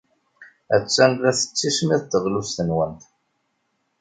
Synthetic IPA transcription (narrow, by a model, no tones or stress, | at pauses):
æt͡sːænðæθə̥t͡sːismiðˤt̪ːəʁlusθənwənt̪